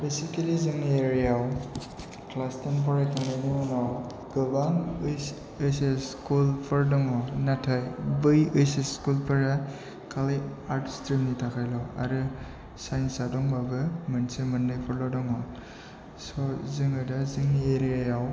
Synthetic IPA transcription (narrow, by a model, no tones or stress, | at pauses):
besikelizɯŋnieɾijaw | klastanpʰɔɾajkʰandajnimanaw | ɡɯbaŋɯjs | ɯseskulpʰɯɾdɔŋɔnatʰajbɯjɯjseskulpʰɯɾa | kʰaliaɾtstɾimnitʰakʰajlɔa̰ɾɯ | sajnsadɔŋbabɯmɯnsemɯnːɯjpʰɔɾlɔdɔŋɔ | sɔzɯŋɯdazɯŋnieɾijajaw